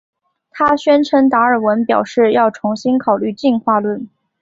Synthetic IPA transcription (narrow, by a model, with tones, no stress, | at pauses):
t̪ʰa˥ɕɥɛ˥nʈ͡ʂʰə˧˥ŋt̪a˧˥ə˞˨˩wə˧˥npjɑ˨˩ʊʂɻ̩˥˧jɑ˥˩ʊʈ͡ʂʰʊ˧˥ŋɕi˥nkʰɑ˨˩ʊly˥˧t͡ɕi˥˧nxwa˥˧lwə˥˩n